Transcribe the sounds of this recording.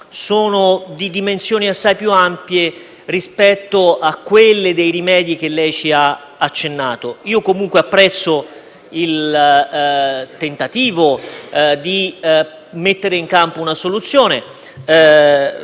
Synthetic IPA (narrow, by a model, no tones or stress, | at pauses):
soːnod̪id̪imensjoːniasːajpjuampje | ɾispɛt̪ːoakːwelːed̪ejɾimɛːd̪jik̟elːɛjt͡ʃia | at͡ʃːenːaːt̪oiːokomuŋkweapːɾɛt̪sːo | il | t̪ent̪at̪iːvod̪i | met̪ːeɾeiŋkampounasolut̪sːjoːne